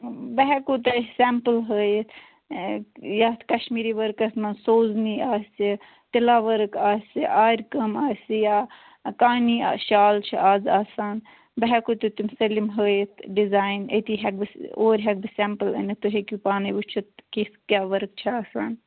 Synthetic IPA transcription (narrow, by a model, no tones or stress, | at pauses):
bɐɦɛkoːt̪ɐsɛmpəlɦəːjet̪ʰ | jaːt̪kɐʃmiːɾiːʋɐɾkɐsmansoːzniːaːsi | t̪ilaːʋɐɾkaːsiʔaːɾʲkɐmaːsijaː | kaːniːa̰ʃaːlt͡ʃʰḭʔaːzaːsaːn | bɐɦɛkoːt̪ut̪umsɐlimɦəːjet̪ʰɖizaːinet̪iːɦɐk̚bɨoːɾʲɦɐk̚bɨsɛːmpəlɐ̰nit̪uɦekupaːnɐbut͡ʃʰut̪kiskʲaːʋɐɾk̚t͡ʃʰiaːsaːn